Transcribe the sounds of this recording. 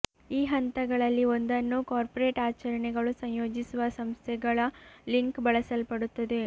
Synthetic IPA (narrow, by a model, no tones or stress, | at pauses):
iːɦɐnt̪ɐɡɐɭɐlːio̞nd̪ɐnːukaːɾpoɾeːʈaːt͡ʃɐɾɐɳɛɡɐɭusɐɲjoːd͡ʒisuʋɐsɐmst̪ʰɛɡɐɭɐliŋkbɐɭɐsɐlpɐɽut̪ːɐd̪e̞